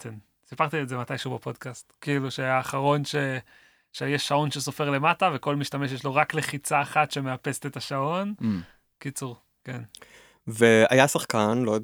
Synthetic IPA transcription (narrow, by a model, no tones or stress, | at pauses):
kʰen | sipaʁt̪ietzematajʃeubapo̞dkastkiiluʃeaːχaʁo̞nʃe | ʃejeʃːao̞nʃeso̞fe̞ʁle̞matave̞ko̞lmiʃtameʃ̬jeʃlo̞ʁakleχit͡saːχatʃe̞meapest̪et̪aʃao̞n | kit͡suʁ | ken | veajasaχkanlojod